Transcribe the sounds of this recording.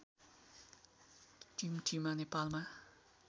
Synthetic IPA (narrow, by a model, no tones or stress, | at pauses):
d͡ʒ̥imd͡ʒimanepalma